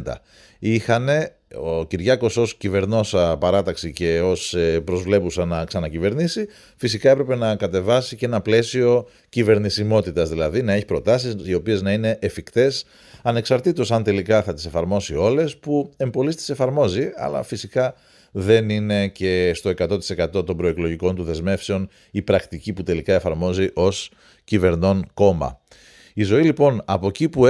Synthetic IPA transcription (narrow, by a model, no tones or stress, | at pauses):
d̪ɐ̰ | ixɐne̞ | ociɾʝɐko̞so̞scive̞ɾno̞sɐpɐɾɐt̪ɐksice̞o̞spɾo̞zvle̞pusɐnɐksɐnɐcive̞ɾnisi | fisikɐe̞pɾe̞pe̞nɐkɐt̪e̞vɐsiceenɐple̞sio̞ | cive̞ɾnisimo̞t̪it̪ɐzðilɐðinɐe̞çipɾo̞t̪ɐsisio̞pie̞znɐine̞ʔːfikt̪e̞s | ɐne̞ksɐɾt̪it̪osɐnt̪e̞likɐθɐt̪i̥se̞fɐɾmo̞sio̞le̞spue̞mbo̞list̪ise̞fɐɾmo̞ziɐ̰lɐ̰fisikɐ | ðe̞nine̞ce̞st̪o̞e̞kɐt̪o̞t̪i̥se̞kɐt̪o̞t̪o̞mbɾo̞eklo̞ʝiko̞nt̪uðe̞zme̞fse̞o̞n | ipɾɐkt̪iciput̪e̞likɐe̞fɐɾmo̞ziʔo̞s | cive̞ɾno̞nko̞mɐ̰ | izo̞ilipo̞nɐpo̞cipu